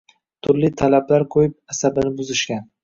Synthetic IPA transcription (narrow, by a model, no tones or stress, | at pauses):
t̪ʰʊɾlit̪ʰalablaɾqʰojɪp̚asabɪnɪbʊzɪʃkʲan